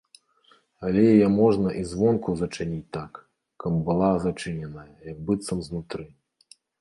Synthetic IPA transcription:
alʲɛjjɛmɔʐnɐʔizvɔnkuzɐt͡ʂɨnʲit͡sʲt̪ak | kɐmbɨlˠazat͡ʂɨnʲɛnɐjɐjɐɡ̚bɨt̪sɐmznut̪ɾɨ

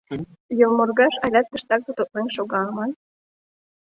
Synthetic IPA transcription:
jolmorɣɑʃɑlʲɑt̪̚ːə̆ʃt̪ɑk̚bot̪ot̪̚nenʃoɣɑlmɑn

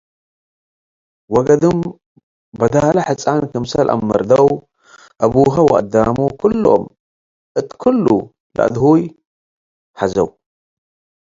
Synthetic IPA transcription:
wɔɡɐd̪ɨm | bɐd̪alaħɨt͡sʼːankʰɐmsɐlʔa̰mːɐ̰ɾd̪ɐw | ʔɐβuɦɐwʔʼɐd̪amukʰulːuʔo̰m | ʔɨt̪kʰulːṵ | la̰ʔd̪huj | ħazɐw

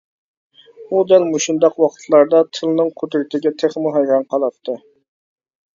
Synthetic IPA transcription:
ud̪ælmuʃund̪ɑqwɑqʰə̥t̪ʰlˠɑɾd̪ɑt̪ʰɨlˠnɨŋqʰod̪ɾɪt̪ʰɪɡʲɛt̪ʰeχmuɦɛjɾɑnqʰɑlˠɑt̪ʰːɨ

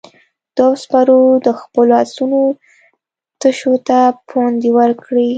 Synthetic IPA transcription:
d̪̥ɑspaɾod̪əxpəloasuno | t̪əʃot̪apond̪iwəɾkɽi

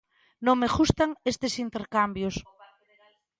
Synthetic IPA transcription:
nõŋmeɣust̪aŋest̪esint̪eɾkambjos

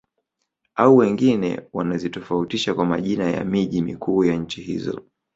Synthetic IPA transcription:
auwɛŋɡinɛ̰wanazitɔfautiʃakwamaʄinaja̰miʄimikʰuːjaɲ̩t͡ʃihḭzɔ̰

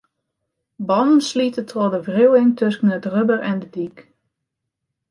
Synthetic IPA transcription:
bɑnən̩slitətʰodəvriwɪŋtʰøsən̩ətrøbəɾɛndədik

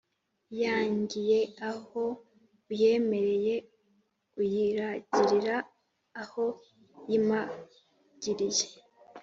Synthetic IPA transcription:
jaːɲɟije̞aho̞ | je̞ːme̞ɾe̞je̞ | ɡujiɾaɟiɾiɾaː | ho̞ | jima | ɟ̥iɾije̥

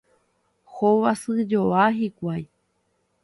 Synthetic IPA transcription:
hoʋasɨd͡ʒoaɦikʷaj

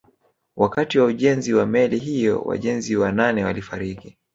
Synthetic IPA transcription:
wʔakatiwauʄɛnziwamɛliɦijɔ̰wa̰ʄɛnziwananɛwalifaɾiki

